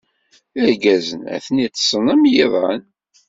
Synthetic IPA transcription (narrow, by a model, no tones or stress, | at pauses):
əɾɡæzənæ̰θənit̪ːsˤənæmjiðˤɑn